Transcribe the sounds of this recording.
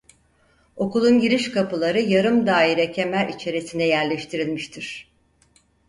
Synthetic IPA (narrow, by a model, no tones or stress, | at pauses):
o̞kulˠunɟiɾiʃkʰapɯlˠaɾɯjaɾɯmd̪aːiɾɛcʰe̞mæɾʲit͡ʃʰe̞ɾisind̪ɛjæɾlʲɛʃt̪ʰiɾilʲmiʃt̪ʰiɾ̥